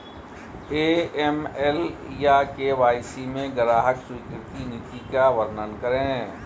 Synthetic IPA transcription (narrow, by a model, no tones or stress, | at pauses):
eːɛmɛljakeʋaːɪsimẽɡəɾaːɦəksʊikɪɾt̪inɪt̪ikaʋəɾnənkəɾẽː